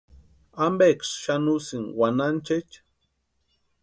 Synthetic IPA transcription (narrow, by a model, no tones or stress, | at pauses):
ambeksʃanusiŋwanant͡ʃet͡ʃ